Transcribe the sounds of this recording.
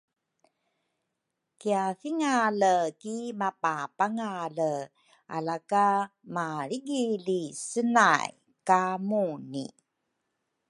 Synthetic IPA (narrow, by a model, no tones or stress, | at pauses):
kiafiŋaləkimapapaŋalə | a̰lakamaɾiɡilisənaj | kamunḭ